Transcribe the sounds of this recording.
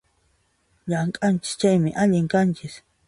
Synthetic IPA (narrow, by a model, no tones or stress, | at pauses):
ʎaŋkʼant͡ʃɪ̥st͡ʃajmɪʔaʎɪŋkant͡ʃɪs